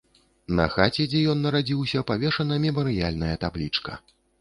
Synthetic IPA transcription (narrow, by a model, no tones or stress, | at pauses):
nɐ̰xat͡sʲɛd͡zʲɛjɔnːɐɾad͡zʲiwsʲɐpavʲɛʂɐnɐmʲɛmɐɾɨjalʲnɐjɐt̪ablʲit͡ʂkɐ̰